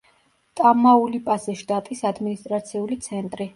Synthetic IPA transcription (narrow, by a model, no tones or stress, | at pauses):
t̪ʼamaulipʼasɛʃt̪ʼat̪ʼisad̪minist̪ʼɾat̪sʰiulit̪sʰɛnt̪ʼɾi